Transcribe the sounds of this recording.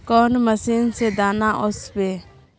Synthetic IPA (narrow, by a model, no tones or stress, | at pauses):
kɔːnməsiːnsed̪aːnaʔʊsbeː